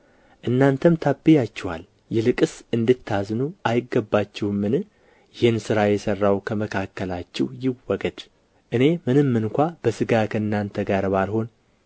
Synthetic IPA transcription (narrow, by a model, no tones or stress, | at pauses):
ʔɨnːant̪ʰəmt̪ʰabːijat͡ʃːɛwa̰l | jɛlɨkʼɨsɨnd̪ɨt̪ʰːaznuʔajɪɡːəbːat͡ʃːɛhmːɨnɨ | jɪhɪnsɨɾajɛsərːawkʰəməkʰakːəlat͡ʃːɛwjɪwɔɡəd̪ | ʔɨne̞mɨnɨmːɨnkʷab̥əsɨɡakʰəɨnːant̪ʰəɡaɾβalho̞n